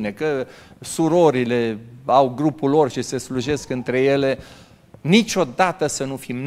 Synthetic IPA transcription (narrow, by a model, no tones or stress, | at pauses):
nekəsuɾo̞ɾile̞awɡɾupulo̞rʃise̞sluʒe̞skɨnt̪ɾe̞je̞le̞ | nit͡ʃʲo̞d̪at̪əsənufimn